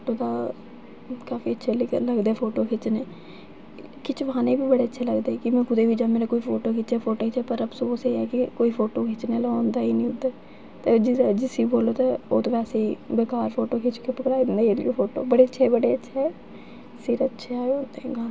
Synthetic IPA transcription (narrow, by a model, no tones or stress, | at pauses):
oːʈoːd̪aː | kaːfiːətːʃʰeːlɪkləɡd̪eɛːpʰoːʈoːkʰɪt͡ʃneː | kɪt͡ʃʋãːneːbiːbəɽeːətːʃʰeːləɡd̪eːkɪmɛ̃ːkʊd̪eːbʱiːd͡ʒaːmeːɾeːkoːiːpʰoːʈoːkɪt͡ʃɛːpʰoːʈoːit͡ʃɛːpəɾəbsõoːseɛːkɪkoːiːpʰoːʈoːkʰɪt͡ʃneːlãnd̪aːinĩːʊ̃nd̪aː | t̪ed͡ʒɪd͡ʒɪsiboːloːt̪aːoːt̪oːʋɛːseːiːʋeːkaːɾpʰoːʈoːkʰɪt͡ʃkepəkɽaːid̪ɪ̃nd̪eːelopʰoːʈo̰ːbəɽeːətːʃʰeːbəɽeːətːʃʰe | sɪɾətːʃʰeːond̪ɡaː